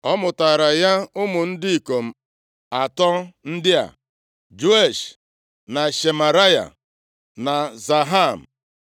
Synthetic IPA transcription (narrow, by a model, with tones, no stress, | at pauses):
ɔ˦mʊ˨taː˨ɾa˨ja˦ʊ˦mʊ˨n̩˦dɪ˦i˨ko˨m̩˨ | a˨tɔ˦n̩˦dɪ˦a̰˨ | d͡ʒu˦e˦˨ʃ | na˨ʃe˨ma˨ɾa˦ja̰˨ | na˨za˨ɦa˦˨m̩˨